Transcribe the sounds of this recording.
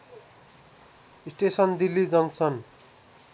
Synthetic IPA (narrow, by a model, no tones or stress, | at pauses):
isʈesʌnd̪ilːid͡zʌnsʌn